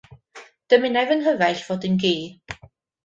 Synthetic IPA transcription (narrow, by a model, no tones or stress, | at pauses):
d̥əmɪnajvənɦəvajɬv̥ɔdɪnɡiː